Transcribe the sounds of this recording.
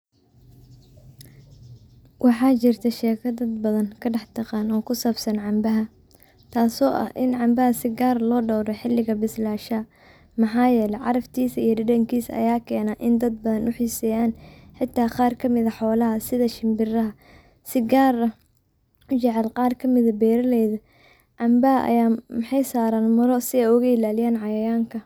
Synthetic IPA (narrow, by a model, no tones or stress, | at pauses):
wɑħɑːt͡ʃɪrt̪ʰɐʃɛːkʰɐd̪ɐd̪bɐðɐnkʰɐɖɐħt̪ʰɐqɑːnɔːkʰʊsaːbsɐnʕɑmbɐɦɐ | t̪ʰaːsɔːʔɐ̰hʔɪnʕɑmbɐɦɐsɪɡaːrlɔːɖɔwɾɛħɪlːɪɣɐbɪslaːʃɐ | mɑħɑːjɛːlɛjʕɑɾɐft̪ʰiːsɐijɐɖɐɖɐŋkʰiːsɐ̰jaːkʰɛːnaːʔɪnd̪ɐd̪̚bɐðɐnʔʊħiːsɛːjaːnħɪt̪ʰːaːqɑːrkʰɐmɪðɐħɔːlɐɦɐsɪðɐʃɪmbɪrɐɦɐ | sɪɡaːɾɐ | ʊt͡ʃɛʕɛlqɑːrkʰɐmɪðɐbɛːɾɐlɛjðɐ | ʕɑmbɐɦɐʔɐ̰jaːmɐħɑjsaːɾaːnmʊɾɔsɪɛjʊɣɐɪlaːlɪjaːnʕɑjɐjaːŋkʰɐ